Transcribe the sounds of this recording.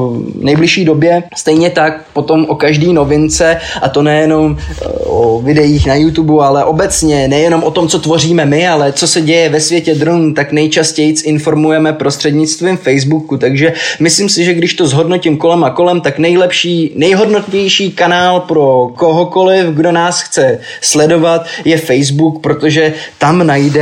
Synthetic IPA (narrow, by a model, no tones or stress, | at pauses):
nɛjblɪʃiːdo̞bjɛst̪ɛjɲɛt̪ak̚po̞t̪o̞mʔokaʒdiːno̞vɪnt͡sɛʔat̪o̞nɛjɛno̞mʔovɪdɛjiːxnajut̪ubualɛʔo̞bɛt͡sɲɛnɛjɛno̞mʔo̞t̪o̞mt͡so̞t̪vo̞riːmɛmɪalɛt͡so̞sɛɟɛjɛvɛsvjɛcɛd̪ɾonuːt̪aknɛjt͡ʃascɛjt͡sɪnfo̞ɾmujɛmɛpɾo̞st̪r̝̥ɛdɲɪt͡st̪vimfɛjzbukut̪aɡʒɛmɪslimsɪʒɛɡdɪʃt̪o̞zɦo̞dno̞cɪmko̞lɛmako̞lɛmt̪aknɛjlɛpʃiːnɛjɦo̞dnot̪vjɛjʃiːkanaːlpɾo̞ko̞ɦo̞ko̞lɪfɡdo̞naːsxt͡sɛ | slɛdo̞vat̪jɛfɛjzbukpɾo̞t̪o̞ʒɛt̪amnajdɛ